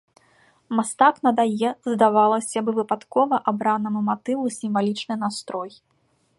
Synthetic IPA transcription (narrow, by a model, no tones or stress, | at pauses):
mast̪aknɐd̪ajɛzd̪avalˠɐsʲabɨvɨpat̪kɔvɐʔabɾanɐmumat̪ɨvusʲimvalʲit͡ʂnɨjnast̪ɾɔj